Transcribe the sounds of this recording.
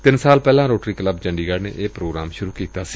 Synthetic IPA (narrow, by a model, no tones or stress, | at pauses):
t̪ɪnsaːlpɛːlãːɾoːʈɾiːkləbd͡ʒəɳɖiːɡaːɽnḛːʔeːpɾoːɡɾaːmʃʊɾuːkiːt̪aːsi̥ː